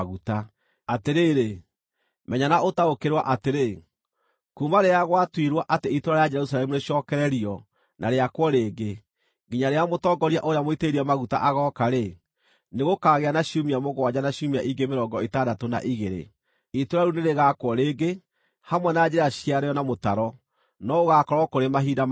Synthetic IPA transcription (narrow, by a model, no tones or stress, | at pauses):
ɣuta | ateɾeːɾe | mɛɲanaotaokeɾwaʔateɾe | kumaɾeaɣwatwiɾwaʔateitoɾaɾejad͡ʒɛɾusalɛmuneɕɔːkɛɾɛɾiɔ | nʔa̰ɾeakwɔɾeːɡe | ɡiɲaɾeamotɔːɡɔɾiaʔoɾeamoiteɾiamaɣuta̰ʔaɣɔːkaɾe | neɣokaːɣeanaɕiumiamoɣoad͡ʑanaɕumiaʔiŋɡemeɾɔŋɡɔetaːdatona̰ʔiɣeɾḛ | itoɾaɾuneɾeɣaːkwɔɾeːɡe | hamwɛnad͡ʒeɾaɕiaɾeɔnamotaɾɔ | nɔoɣaːkɔɾɔkoɾemaɦiːda